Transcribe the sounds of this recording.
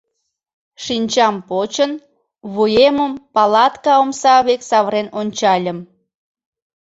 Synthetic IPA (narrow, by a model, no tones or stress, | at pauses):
ʃinʲt͡ɕɑmpot͡ɕən | βujeməmpɑlɑt̪kɑomsɑβeksɑβɾenonʲt͡ɕɑlʲəm